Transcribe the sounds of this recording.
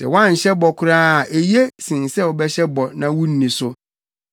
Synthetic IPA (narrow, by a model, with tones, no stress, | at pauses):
sɛ̰˨wã˦ɲ̩˨ɕɛ˦bɔ˨kʰʊ˦ɾaː˦a˨ʔe˨je˦sĩ˨n˨sɛ˦ɔ˨bɛ˦ɕɛ˦bɔ˨nã˦wũ˦n̩˦nĩ˨sʊ˦